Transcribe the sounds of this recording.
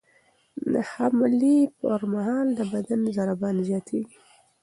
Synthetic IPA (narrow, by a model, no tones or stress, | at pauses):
d̪ə̰hamlipəɾmaɦɑld̪əbad̪anzaɾabɑnzjɑt̪ʰeɡi